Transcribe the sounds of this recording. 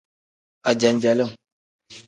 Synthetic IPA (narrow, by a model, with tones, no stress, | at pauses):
a˨d͡ʒa˨nd͡ʒa˨lə˦˨ŋ